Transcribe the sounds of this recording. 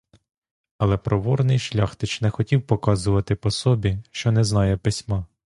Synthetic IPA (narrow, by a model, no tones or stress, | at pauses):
ɐlˠɛpɾɔʋɔrnɪjʃlʲɑxt̪ɪt͡ʃnɛxɔtʲiwpɔkɑzʊʋɐt̪ɪpɔsɔbʲiʃt͡ʃɔnɛznɑjɛpɪsʲmɑ